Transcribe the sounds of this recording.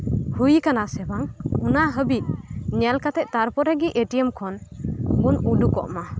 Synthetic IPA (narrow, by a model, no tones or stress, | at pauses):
hujkanasɛbaŋunaʔɦəbit̪̚ɲɛlkat̪ɛʔ̚ˀt̪aɾpɔɾɛɡiʔeʈijɛmkʰɔnunuɖukɔ̰ʔma